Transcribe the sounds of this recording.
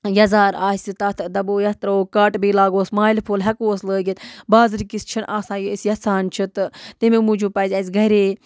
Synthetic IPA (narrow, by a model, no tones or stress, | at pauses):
jɐzaːɾaːsʲit̪ɐt̪ʰd̪ɐboːjɐt̪ɾɐoːkaːʈbiːlaːɡoːsmaːlipʰoːlɦɐkoːsləːɡit̪baːzɨɾikist͡ʃʰinʔaːsãːjisʲjɐsaːnt͡ʃʰit̪ɨt̪imemud͡ʒuːpɐzʲɐsʲɡʱɐɾeː